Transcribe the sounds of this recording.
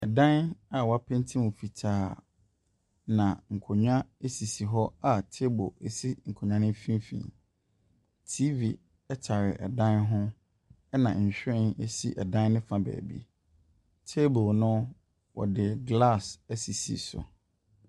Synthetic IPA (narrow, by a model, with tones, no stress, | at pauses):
ɛ˨dã˦na˨wɔ˨a˦pʰɛ̃˦n˦tʰĩ˦mũ˨fi˨tʰaː˦˨˦ | nã˨ŋ̩˨kʰo˨ɲᶣã˦e˦si˨si˨ɦɔ˦a˨tʰe˦bo̰˨e˨si˦ŋ̩˨kʰo˨ɲᶣã˦nɪ̃˦m˦fĩ˦m˦fḭ̃˨n | tʰi˦vḭ˨ | ɛ˦t͡ɕʰa˨ɾɪ̰˨ʔɛ̰˨dã˦nɦʊ̃˦ | ɛ˦nã˨ɲ̩˨ɕᶣɛ̃˦ne˨si˦ʔɛ˨dã˦nnʊ̃˦fã˦bæ̰ː˨bḭ˦ | tʰe˦bo˨nʊ̃˦ | wʔɔ̰˨dɪ˨ɡla˦˨sæ˦si˨sḭ˨sʊ̰˨